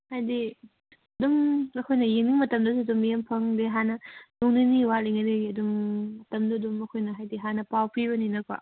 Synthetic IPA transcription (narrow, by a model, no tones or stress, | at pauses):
hajdi | ɐdumɐkʰojnɐjeŋniŋmɐtɐmdɐs̬uɐdumjempʰɐŋdeɦanɐnuŋniniwaliŋɐdeiɐdumɐtɐmdɐdumɐkʰojnɐɦajdiɦanɐpawpʰiβɐninɐkwa̰